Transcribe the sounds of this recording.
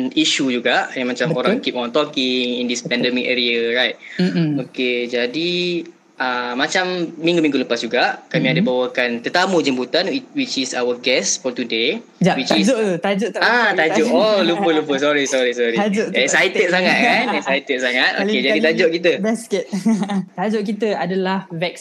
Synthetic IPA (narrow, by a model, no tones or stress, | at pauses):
niʃud͡ʒuɡaʔjaŋmat͡ʃamoɾãŋkip̚ɔ̃nt̪ɔkɪŋindispɛ̃ndɛmikɛ̰ɾiaɹajt̪̚oked͡ʒadi | ʔamat͡ʃamːĩŋɡumĩŋɡuləpasd͡ʒuɡaʔkamiadəbawakant̪ət̪amud͡ʒəmbut̪anwit͡ʃisa̰wəɡɛsfɔt̪ude | d͡ʒawit͡ʃisoʔt̪ut̪ad͡ʒoʔat̪ad͡ʒɔolupəlupəsɔɾisɔɾisɔɾid͡ʒɛksajt̪ɛt̪̚saŋat̪̚kanɛk̚sajt̪ət̪̚saŋat̪̚o̰ed͡ʒadit̪ad͡ʒɔʔkit̪əbɛskɛt̪̚t̪ad͡ʒɔʔkit̪əadalahvɛk̚s